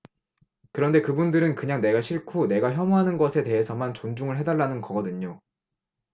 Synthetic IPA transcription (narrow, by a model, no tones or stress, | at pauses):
kɯɾʌnde̞kɯbundɯɾɯnkɯɲaŋne̞ɡaɕʰiɭkʰune̞ɡaçjʌmoɦanɯnɡʌsʰe̞te̞ɦe̞sʰʌmant͡ɕond͡ʑuŋɯɭɦe̞daɭːanɯnɡʌɡʌdɯɲo